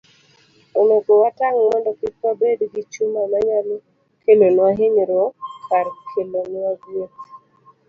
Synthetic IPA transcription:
onokowataŋmɔndɔkɪt̚wabedɡit͡ʃumamaɲalo | kelonwaɦɪɲɾokaɾkʰelonɪaɡjet

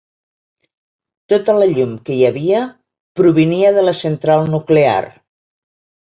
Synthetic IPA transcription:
t̪ot̪ələʎumkəjəβiə | pɾuβ̞iniəðələsənt̪ɾalˠnuklea̰r

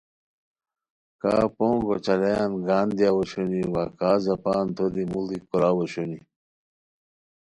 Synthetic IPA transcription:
kaːpõŋɡot͡ɕɐlejanɡaːnd̪ijawoɕoniwakaːzɐpaːnt̪ʰod̪imulikoɾaːwoɕoni

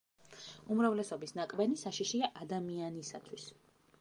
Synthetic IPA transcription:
umɾavlɛsɔbisnakʼbɛnisaʃiʃiaʔad̪amianisat̪ʰwis

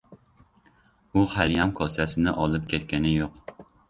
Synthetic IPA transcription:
ʊqʰalijamkʰɒsasɪnɪʔɒlˠɪpkʲet̪kʲanɪjoq

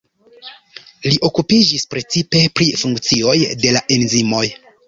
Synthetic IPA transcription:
liʔo̞kupid͡ʒispɾe̞t͡sipe̞pɾifuŋkt͡sio̞jde̞laʔe̞nzimo̞j

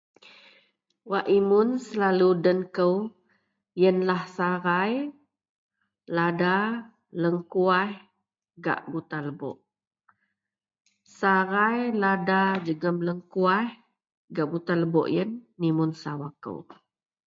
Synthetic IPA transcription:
waʔimunsəlaludənkəw | jənlahsaɾaj | lada | ləŋkuah | ɡa̰ʔbut̪aləbɔ̰ʔ | saɾajladad͡ʒəɡəmləŋkuah | ɡaʔbut̪aləbɔ̰ʔjənːimunsawakə̰w

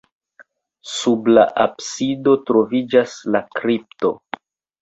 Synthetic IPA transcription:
sublaʔabsido̞tɾo̞vid͡ʒaslakɾip̚to̞̰

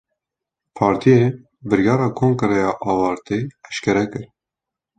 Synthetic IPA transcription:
pʰɑːɾt̪ʰijeː | bɨɾjɑːɾɑːkʰoːŋkɨɾɛjɑːʔɑːwɑːɾt̪eɛʃkʰɛɾɛkɨɾ

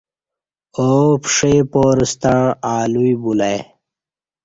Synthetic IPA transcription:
opʂeːpoːɾist̪aɳaːluibulaj

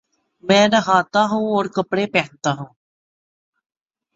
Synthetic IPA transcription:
mɛ̃ːnəɦaːt̪aːɦũːɔːɾkəpɽeːpɛːt̪aːɦũː

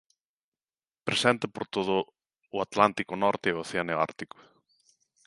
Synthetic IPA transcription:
pɾesɛnt̪epoɾt̪oð̞ʊː | at̪lant̪ikʊnɔɾt̪eːoθeaneoa̰ɾt̪ikʊ̥

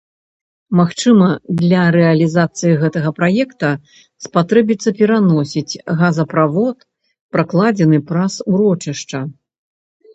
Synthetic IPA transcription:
maxt͡ʂɨmɐd̪lʲɐɾɛɐlʲizat̪sɨjiɣɛt̪ɐɣɐpɾajɛkt̪ɐ | spat̪ɾɛbʲit̪sːɐpʲɛɾanɔsʲit͡sʲɣazɐpɾavɔt̪ | pɾaklˠad͡zʲɛnɨpɾasuɾɔt͡ʂiʂt͡ʂɐ

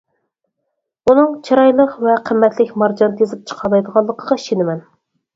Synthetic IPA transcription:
unɨŋt͡ʃʰɑɾɑjlˠəqvɛqʰəmːɛt̪ʰlɪkʲmɑɾd͡ʒɑnt̪ʰezɪp̚t͡ʃʰə̥qʰɑlˠɑjd̪əʁɑlˠːəqʰəʁɑi̥ʃenɪmɛn

